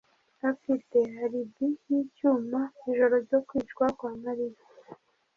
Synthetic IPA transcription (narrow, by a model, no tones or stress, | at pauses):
afite̞ɦaɾibijicuːmaiʒo̞ɾo̞ɾɟokwiːt͡ʃɡwakwaːmaɾiɾa